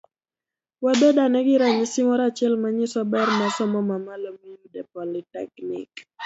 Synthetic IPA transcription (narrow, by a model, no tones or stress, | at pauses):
wad̪ɔdanɛɡɪɾaɲisimɔɾat͡ʃɪɛlmaɲɪsɔbɛɾmasɔmɔmamalomijudɛpɔlitɛknɪ̰k